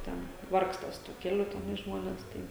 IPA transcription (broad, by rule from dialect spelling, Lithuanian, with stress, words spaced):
ˈtʲɛn ˈʋɐrkstɐ sʊ tuɔ ˈkʲæːlʲʊ tʲɛˈnɐɪ ˈʒmoːnʲɛs ˈtɐɪ